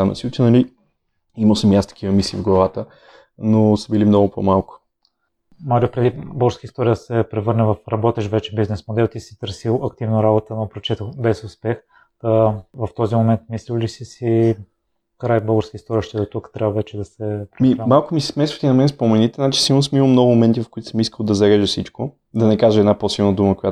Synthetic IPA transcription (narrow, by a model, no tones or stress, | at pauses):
anɐ̰sut̪ənɐli | iməlˠsəmjast̪ɐ̥kʰʲivəmisḭːvɡlˠɐvat̪ə | nosəbilimnɔɡʊpo̰malˠkʊ̥ | maɾiopɾɛd̪ibɤlɡəɾskəist̪ɔɾijəsɛpɾɛvɤɾnəvɐfɾɐbɔt̪ɛʃvɛt͡ʃɛbiznɛsmod̪ɛlˠt̪isi̥t̪ɤɾsilˠɐkt̪ivnoɾabot̪ənopɾot͡ʃɛt̪oxbɛsʊspɛx | əvɐft̪ɔzimomɛnt̪̚mislilisisi | kɾajbɤlˠɡəɾskəist̪ɔɾijəʃt̪ɛd̪ot̪ukt̪ɾʲʔabɐvɛt͡ʃɛd̪ɐsɛpɾmimalˠkʊmisɛ̥smɛsvə̥t̪inɐmɛnspomɛnit̪ɛnat͡ʃi̥silˠnosmiməmnɔɡʊmomɛnt̪ivɐfkʊit̪ʊ̥səmiskəlˠd̪ɐzɐɾɛʒɛsit͡ʃko | d̪ɐnɛkaʒəɛd̪naposilˠnəd̪uməkoja